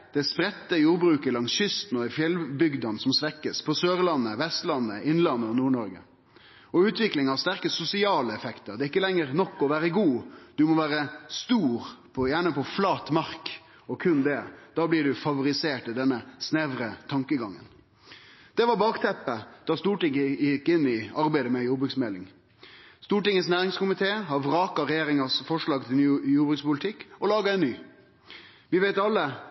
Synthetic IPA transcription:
d̪̥ɛspɾɛt̪ːəjuːɾbɾʉːkəlɑŋsʃʏst̪nɔɪfjɛlbʏɡd̪ɑnsɔmsʋɛkːəspʰɔsøːɾlɑnːəʋɛst̪lɑnːəʔɪnlɑnːəɔnuːɳɔɾɡə̰ | ɔʉːt̪ʋɪklɪŋɑst̪æɾkəsʊsɪɑːləɛfɛkt̪əɾd̪ɛɪkːəlɛŋːəɾnɔkːɔʋæːɾəɡuːd̪̥ʉmɔʋæːɾəst̪uːɾpʰɔjæːɳəpʰɔflɑːt̪mɑɾk | ɔkʰʉnd̪ɛd̪̥ɑːblɪɖʉfɑʋʊɾɪseːʈɪld̪ɛnːəsnɛʋɾət̪ʰɑŋkəɡɑŋːə̰n | d̪̥ɛʋɑɾbɑːkt̪ʰɛpːəd̪̥ɑst̪uːʈɪŋəjɪkːɪnːɪɑɾbæɪd̪əmɛjuːɾbʉksmɛlːɪ̰ŋ | st̪uːʈɪŋːəsnæːɾɪŋskʊmɪt̪ʰeːɦɑʋɾɑːkɑɾɛjeːɾɪŋɑsfɔʂɭɑːɡ̚t̪ʰɪlnyːjuːbɾʉkspʊlɪt̪ʰɪkːɔlɑːɡəɛnːyː | ʋɪʋɛɪt̪ɑlːə

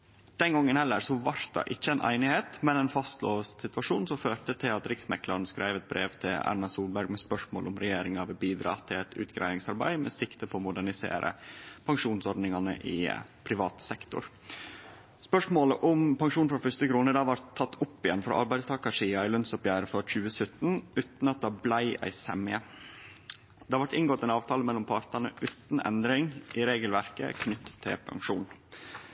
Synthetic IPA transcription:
d̪̥ɛnɡɔŋːənhɛlːəɾsɔʋɑɾt̪̚d̪ɑ̰ʔɪc͡çːəɛnʔæ̰ɪnɪheːt̪mɛnɛnfɑst̪loːəst̪sɪt̪ʋɑʂuːnsɔmføːʈ̪ət̪ʰɪlɑt̪ɾɪksmɛklɑɾɳ̩skɾæɪʋət̪̚bɾḛːʋt̪ʰɪlæ̰ɳɑsuːlbæɾɡ̚mɛspœʂmo̰ːlʊmɾɛjeːɾɪŋɑʋɛbiːd̪ɾɑ̰ːt̪ʰɪlɛt̪ʰʉ̰ːt̪ɡɾæ̰ɪʋɪŋsɑɾbæ̰ɪmɛ̰sɪkt̪əpʰɔːmʊd̪æɳɪsḛːɾʔə̰pʰɑŋʂuːnsɔɾɖ̪nɪŋɑnə̰ʔɪ̰pʰɾɪʋɑːt̪sɛkt̪ʊ̰ɾ | spœʂmoːləʔʊmpɑŋʂuːn̩fɾɑfʏsʈ̪əkʰɾuːnəd̪ɑːɑʋɑɾt̪ʰːɑt̪ːʊpːɪjɛnfɾɑ̰ːʔɑɾbæɪd̪st̪ʰɑːkɑʂɪɑɪlœnsɔpjæːɾəfɔɾc͡çʉːəsœt̪n̩ʉːt̪n̩ɑt̪̚d̪ɑːblæɪʔæ̰ɪsɛ̰mːɪə | d̪̥ɛːɑɾʋɑɾʈɪŋɡɔt̪ːɛɪnɑːʋt̪ʰɑːləmɛlːɔmpʰɑɾt̪ɑnəʔʉːt̪n̩ɛ̰nd̪ɾɪŋɪɾeːɡəlʋæɾkə̰kʰnʏt̪ːə̥t̪ʰːɪ̰lpʰɑ̰ŋʂuːn

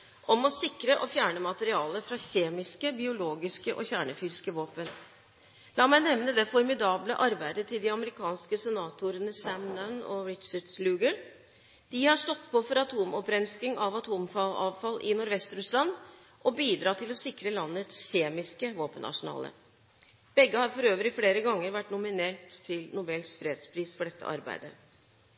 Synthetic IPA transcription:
ʔɔmɔsɪkɾəʔɔfjæːɳəmɑt̪əɾɪɑːləfɾɑçeːmɪskəbɪʊloːɡɪskəʔɔçæːɳəfyːsɪskəʋoːpən | lɑːmæɪnɛʋnəd̪ɛfɔɾmɪd̪ɑːblə̰ʔɑɾbæɪd̪ət̪ʰɪld̪ɪɑməɾɪkʰɑːnskəsɛnɑːt̪ʰʊɾənəsæmnənɔ̰ɹɪt͡ʃəɖlʉːɡəl | d̪̥ɪhɑʂʈɔt̪ːpʰɔfɔɾɑt̪ʰuːmɔpɾɛnskɪŋɑʋɑt̪ʰuːmfɑlɑ̰ːʋfɑlʔɪ̰nʊɾʋɛst̪ɾʉslɑn | ʔɔbiːd̪ɾɑːt̪ʰɪlɔsɪkɾəlɑnːət̪sseːmɪskəʋoːpənɑ̰ʂʊnɑ̰ːlə̰ | b̥ɛɡːəhɑɾfɔɾøːʋəɾɪfleːɾəɡɑŋːəɾʋæʈːnʊmɪneːʈt̪ʰːɪlnʊbɛlsfɾeːd̪spʰɾiːsfɔɖɛt̪ːə̰ʔɑ̰ɾbæ̰ɪd̪ə

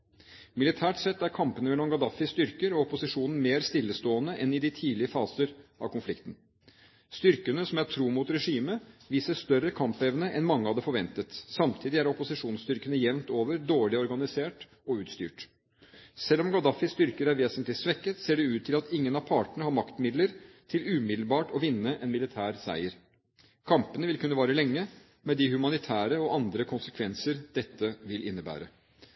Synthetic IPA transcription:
mɪlɪt̪ʰæːʈsɛt̪ːæɾkʰɑmpənəmɛlɔmɡɑd̪ɑfɪst̪ʏɾkəɾɔɔpʊsɪʂuːnn̩meːɾst̪ɪlːəst̪oːənəʔɛnɪd̪ɪt̪ʰiːd̪lɪəfɑːsəɾʔɑ̰ʋkʰʊnflɪkt̪ən̩ | st̪ʏɾkənəsɔmæʈʰɾuːmuːt̪ɾɛʂiːməʋiːsəst̪œrəkʰɑmpɛʋnəʔɛnmɑŋːəhɑd̪əfɔɾʋɛnt̪ət̪sɑmt̪ʰiːd̪ɪæɾɔpʊsɪʂuːnst̪ʏɾkənəjɛʋnt̪ʰoːʋəɾd̪oːɭɪɔɾɡɑnɪseːʈ | ɔʉːt̪st̪y̰ːʈ | sɛlːɔmɡɑd̪ɑfɪst̪ʏɾkəɾæɾʋeːsənt̪lɪsʋɛkːət̪seːɖɛʉːt̪ʰːɪlɑt̪ɪŋːənɑpʰɑːʈəɳəhɑɾmɑkt̪mɪd̪ləɾt̪ʰɪlʉːmɪd̪l̩bɑːʈɔʋɪnːəʔɛnmɪlɪt̪ʰæːɾsæ̰ɪəɾ | kʰɑmpənəʋɪlkʉnːəʋɑːɾəlɛŋːə | mɛd̪ɪhʉmɑnɪt̪ʰæːɾəɔʔɑnd̪ɾəkʰʊnsəkʰʋɛnsəɾd̪ɛt̪ʰːəʋɪlʔɪ̰nːəbæ̰ːɾə

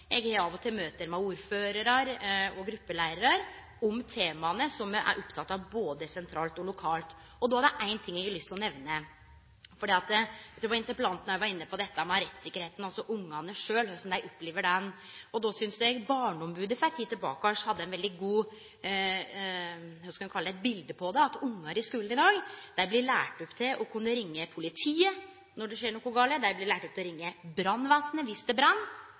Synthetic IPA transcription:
ɛɡhɛɑʋɔt̪ʰɪlmøːt̪əɾmɛuːɾføːɾəɾɑɾɔɡɾʉpːəlæɪɾɾɑɾ | ɔmt̪ʰeːmɑnəsɔmæ̰ɾʔɔpt̪ʰɑt̪ːɑʋboːd̪əsɛnt̪ʰɾɑːlt̪ɔlʊkʰɑːlt̪ | ɔd̪ɔːɑɖ̪ɛʔæɪnt̪ʰɪŋːɛɡlʏst̪lɔnɛʋnə | fɔɖiːɑt̪ɛɡt̪ɾuːbɑɪnt̪əɾpəlɑnt̪ənɑɛʋɑɾɪnːəpʰɔd̪ɛt̪ːəmɛɾɛt̪ːsɪkːəɾheːt̪nɑlsɔʔʊŋːɑnəʂøːlɔsɔmd̪æɪʔɔpːleːʋəɖɛn | ɔd̪ɔsʏnsd̪ɛɡbɑːɳəɔmbʉːd̪əfæɾʈʰiːt̪ʰːɪlbɑ̰ːkəɑʂhɑd̪ːɛænɛld̪ɪɡuː | hʉskɑmnkʰɑlːd̪ɛt̪̚bɪld̪əpʰɔd̪ɛɑt̪ʊŋːəɾɪskʉːln̩ɪd̪ɑːɡd̪̥æɪblɪɭæ̰ːʈɔpt̪ʰɪʔɔkʰʉnːəɾɪŋːəpʰʊlɪt̪ʰiːə | nɔɖɛʂeːɳɔkʊɡɑːlɪd̪æɪblɪɭæːʈɔp̚t̪ʰɔɾɪŋːəbɾɑnːʋæːsnəʋɪsd̪ɛbɾɑnː

